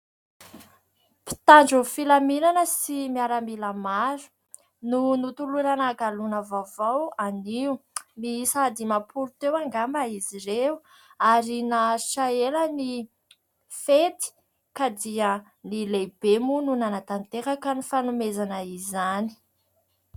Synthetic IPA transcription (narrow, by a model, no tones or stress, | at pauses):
pi̥t̪aɳd͡ʒufilaminanəsimiaɾamilamaɾu̥ | nunut̪ulunanaɡalunavavawaniumisad̪imapʰuɾut̪ewaŋɡambaiziɾeu | aɾinaʃaeləni | fet̪i̥ | kad̪iə | nilebemununanat̪ant̪eɾakanifanumezanaizani̥